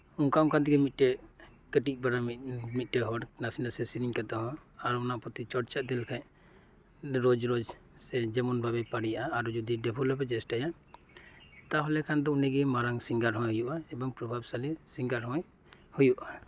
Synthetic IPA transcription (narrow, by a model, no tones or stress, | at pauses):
uŋkaũkʰant̪iɡɛmit̪̚ˀʈɛ | kəʈit̪̚ˀbaɽamit̪̚ˀʈɛɦɔɽnasindasɛsiɾiŋkat̪ɔɦɔ̃aɾuɔnapɔt̪it͡ʃɔɽt͡ʃad̪ɛlkʰaj | ɾɔd͡ʒɾod͡ʒ | sɛd͡ʒɛmɔnbʱabɛpaɽijaʔaːɾud͡ʒud̪iɖɛbʰʱɔlapɛd͡ʒɛsʈaja | t̪aɦɔlɛkʰand̪ɔunɛɡɛmaɾaŋsiŋɡaɾɦɔ̃jɦujuʔaɛbɔŋpɾɔbʱabsalisiŋɡaɾɦɔ̃j | hujuʔa